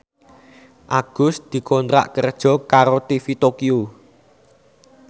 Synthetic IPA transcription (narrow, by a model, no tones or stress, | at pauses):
ʔaɡ̥ʊ̤sd̪̥i̤kɔnt̪ɾa̰ʔkərd̥ʒ̥ɔ̤kaɾot̪ifit̪okiu